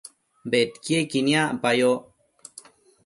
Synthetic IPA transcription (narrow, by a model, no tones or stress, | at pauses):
bet̪kiekinjaʔpajo